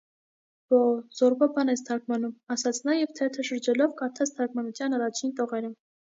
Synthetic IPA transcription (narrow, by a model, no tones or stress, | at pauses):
b̥ɔz̥ɔɾbɔbɑnɛst̪ʰɑkmɑnumɑsɑt͡sʰnɑjɛvt̪ʰɛt̪ʰəʃəɾd͡ʒɛlɔvkɑɾt̪ʰɑt͡st̪ʰɑkmɑnut͡sʰjɑnɑrɑt͡ʃʰint̪ɔʁɛɾə